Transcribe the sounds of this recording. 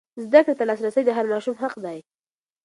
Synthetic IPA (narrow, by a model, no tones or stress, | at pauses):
zd̪akɽet̪alɑs̬ɾasəjd̪əɦaɾmɑʃumɦaqd̪ɑj